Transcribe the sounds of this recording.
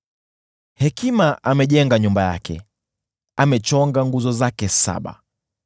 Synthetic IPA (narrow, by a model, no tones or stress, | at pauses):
hɛkimaʔamɛʄɛŋɡaɲumbaja̰kʰɛ̰ | amɛt͡ʃɔŋɡaŋɡuzɔzakɛsa̰ɓa̰